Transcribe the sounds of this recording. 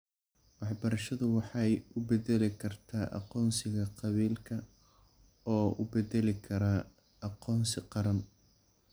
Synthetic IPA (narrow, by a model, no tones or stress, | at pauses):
wɑħbɐɾɐʃɐðʊwɑħɑjʊbɛðɛlɪkʰɐrt̪ʰaːʔɑ̰qɔːnsɪɣɐqɑβiːlkʰɐ | ɔːʊ̰bɛðɛlɪkʰɐɾaː | ɑqɔːnsɪqɑɾɐn